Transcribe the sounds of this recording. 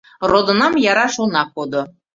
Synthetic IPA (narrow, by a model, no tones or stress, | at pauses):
rod̪ŏnɑmjɑɾɑʃulnɑkod̪o